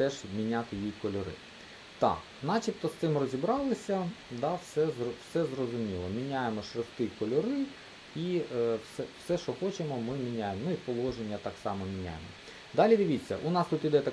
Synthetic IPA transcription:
t̪ɛʒmʲinʲat̪ɪjikɔlʲɔɾɪ̰ | t̪ɑ̰k | nɑt͡ʃip̚t̪ɔst̪ɪmrɔzʲibɾɑlˠɪsʲɐd̪ɑwsɛzɔwsɛzrɔzʊmʲilˠɔmʲinʲajemɔʃɾɪxt̪ɪkɔlʲɔɾɪ | iwsɛwsɛʃɔxɔt͡ʃɪmɔmɪmʲinʲajemɔnʊipɔlˠɔʒenʲːɐt̪ɑksɑmɔmʲinʲa̰jḛmɔ̰ | d̪ɑlʲid̪ʲɪʋʲit͡sʲːɐ̰ʔʊnɑst̪ut̪id̪ɛt̪ɐ

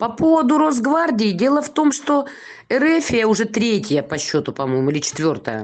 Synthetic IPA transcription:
pɐpo̞vəd̪ʊɾozɡvardʲɪjɪdʲe̞lˠəft̪o̞mʂt̪o̞ | ɛɾɛfʲɪjəʊʐɛt̪ɾʲetʲɪjəpɐɕːo̞t̪ʊpɐmo̞jmʊilʲɪt͡ɕɪ̥t̪vʲo̞rt̪əjə̰

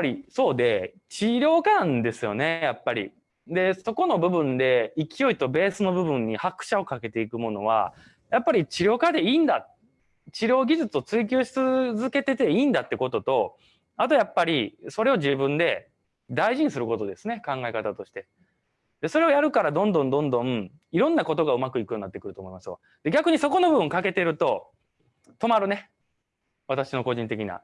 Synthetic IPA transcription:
japːaɾʲiso̞ːd̪e̞ | t͡ɕiɾʲo̞ːkanãnd̪e̞sɨjo̞̰ne̞japːaɾʲḭ | d̪e̞so̞ko̞no̞bɯ̟bɯ̟̃nd̪e̞ikʲijo̞it̪o̞be̞ːsɨno̞bɯ̟bɯ̟̃ɲ̟ːihakɯ̟̥ɕao̞kake̞t̪e̞ikɯ̟mo̞no̞̰β̞a̰ | japːaɾʲit͡ɕiɾʲjo̞ːkad̪e̞iːnd̪a | t͡ɕiɾʲo̞ːɡʲiʑɨt͡sɨo̞t͡sɨik̬ʲɨːɕi̥t͡sɨzɨke̞t̪e̞t̪e̞iːnd̪at̪ːe̞ko̞t̪o̞t̪o̞ | at̪o̞japːaɾʲiso̞ɾe̞o̞ʑibɯ̟̃nd̪e̞ | d̪aiʑiɲ̟isɨɾɯ̟ko̞t̪o̞d̪e̞sɨne̞kãŋɡaekat̪at̪o̞ɕi̥t̪e̞ | d̪e̞so̞ɾe̞o̞jaɾɯ̟kaɾad̪õnd̪õ̞nd̪õ̞nd̪õ̞m̩ | iɾõ̞nːako̞t̪o̞ɡaɯ̟makɯ̟ikɯjoninːat̪ːekɯɾɯ̟t̪omo̞imasɨβa̰ | d̪̥e̞ɡʲakɯ̟ɲ̟iso̞ko̞no̞bɯ̟bɯ̟̃ŋkake̞t̪e̞ɾɯ̟t̪o̞ | t̪o̞maɾɯ̟ne̞ | β̞at̪aɕino̞ko̞ʑĩnt̪e̞kʲina̰

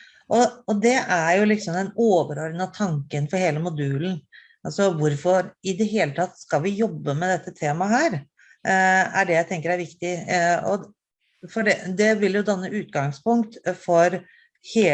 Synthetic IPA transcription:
ʔɔɔd̪ɛæɾjʊlɪksɔmd̪ɛnoːʋəɾøɾnət̪ʰɑŋkənfɔɾheːləmʊd̪ʉːln̩ | ɑlsɔʋʊɾfɔɾɪd̪ɛɦeːlət̪ʰɑt̪ːskɑlʋɪjɔbːəmɛd̪ɛt̪ːət̪ʰeːmɑɦæːɾ | æɖɛjæɪt̪ɛŋkəɾæɾʋɪkt̪ɪɔ̰ | fɔɖɛd̪ɛʋɪljʊd̪ɑnːəʉːt̪ɡɑŋspʊŋkt̪fɔɾ | heː

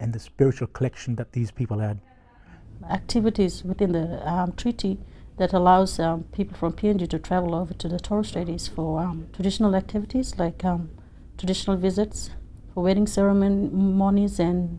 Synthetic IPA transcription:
ɨ̃nðɨspɪɹɨt͡ʃul̩ˠkʰəlɛkʃn̩ðɨt̪̚ðiz̥pʰipl̩ˠɨd̥̚ | æk̚tʰɪvɨɾizwɪθɪ̃nðəʌmtʰɹ̥iɾiðɨɾəlaʊz̥ʌpʰipl̩ˠfɹɔ̃mpʰiɛ̃nd͡ʒiɾɨtʰɹ̥ævəl̩ˠoʊvə˞tʰɨðətʰɔɹstɹ̥eɪɾiz̥fə˞mtʰɹ̥ədɪʃənəlˠæk̚tʰɪvɪɾiz̥laɪkʌ̃m | tʰɹ̥ədɪʃənəl̩ˠvɪzɪts | fə˞wɛɾɪ̃ŋsɛɹəmonmɔnizɨ̃n

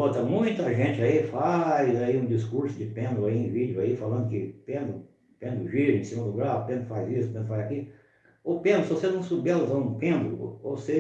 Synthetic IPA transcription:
ot̪ɐmũj̃t̪ɐʒẽt͡ʃɪaifajzaiũd͡ʒiskuɾsʊd͡ʒɪpẽnd̪ʊaiẽvid͡ʒʊaifalɐ̃nd̪ʊkɪpẽnd̪ʊ | pẽnd̪ʊʒiɾĩsĩmɐd̪ʊɡɾapẽnd̪ɾʊfajzisʊ̥pẽnd̪ɾfajzaki | opẽnd̪ɾʊsɪvosenɐ̃w̃subɛlzaũpẽnd̪ʊ̰ose

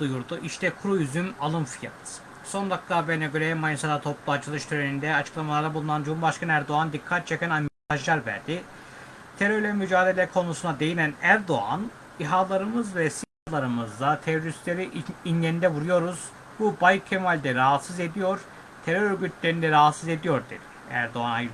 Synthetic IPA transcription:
d̪ujuɾd̪uʔiʃt̪ʰɛkʰuɾujyzymalˠɯmfijat̪ | so̞nd̪ak̚t̪ʰabenaɟøɾʲɛmajisad̪at̪ʰo̞plˠuat͡ʃʰɯlˠɯʃt̪ʰyɾenind̪ɛat͡ʃʰɯ̥klˠamalˠaɾabulˠunand͡ʒumbaʃkanæɾd̪o̞and̪ikʰːat̪̚t͡ʃʰe̞cʲɛnamit̪ʰaʒlˠaɾvæ̰ɾd̪ɪ | t̪ʰe̞ɾøɾlʲɛmyd͡ʒaːd̪e̞lʲɛkʰo̞nusunad̪e̞jinʲænæɾd̪o̞a̰n | iɦaːlˠaɾɯmɯzvɛsinahlˠaɾɯmɯzd̪at̪ʰeɾo̞ɾist̪lʲe̞ɾiinɟenind̪ɛvuɾujo̞ɾuz̥ | bubajcʰːemalʲd̪ɛɾaɦat̪sɯze̞d̪ijo̞ɾ̥ | t̪ʰeɾøɾøɾɟyt̪ʰlʲeɾind̪ɛɾaɦat̪sɯze̞d̪ijo̞ɾd̪ḭɾ | æ̰ɾd̪o̞anaj

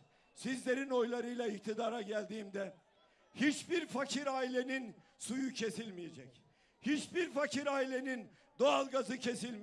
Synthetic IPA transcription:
sizlʲe̞ɾino̞jlˠaɾɯjlˠaic̚t̪ʰid̪aːɾaɟælʲd̪iːmd̪ɛ | hit͡ʃbiɾfacʰiɾaːilʲe̞ninsujucʰe̞silʲmijed͡ʒɛc | hit͡ʃbiɾfacʰiɾaːilʲe̞nin | d̪oalˠɡazɯcʰe̞silʲmi

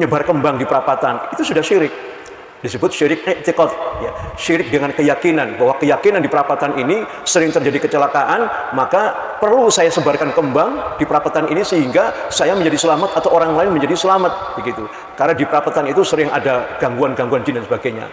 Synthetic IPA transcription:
ɲəbarkəmbaŋdipəɾapat̪anit̪usudahʃiɾɪk̚ | disəbʊt̪̚ʃiɾɪk̚nɛt̪ikɔt̪̚jaʃiɾɪk̚dəŋankəjakinanbahwakəjakinandipəɾapat̪anini | səɾɪŋt̪ərd͡ʒadikət͡ʃəlakaʔanmaka | pərlusajasəbarkankəmbaŋdipəɾapat̪aninisəɦiŋɡasajaməɲd͡ʒadisəlamat̪at̪awʔoɾaŋlaɪnməɲd͡ʒadisəlamat̪̚b̥əɡit̪u | karnadipəɾapat̪anit̪usəɾɪŋʔa̰daɡ̥aŋɡuanɡaŋɡuand͡ʒindansəbaɡajɲa̰

